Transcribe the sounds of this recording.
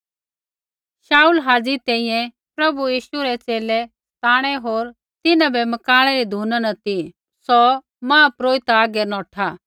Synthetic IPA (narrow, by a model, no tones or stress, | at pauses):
ʃaːulɦaːd͡zit̪ɛ̃ːĩjɛ̃ | pɾɐbujiːʃuɾɛt͡seːlɛ | t̪aːɽ̃ɛɦoːɾ | t̪ɪnãbɛmɐkaːɽ̃ɛɾid̪ʱuːnanɐt̪i | sɔ | mãːpɾoːit̪aːɡɛnɔːʈʰa